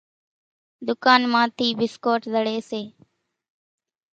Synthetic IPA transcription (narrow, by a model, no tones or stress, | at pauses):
d̪ʊkaːnmãːt̪ʰiːbɪskoːʈzəɽeːseː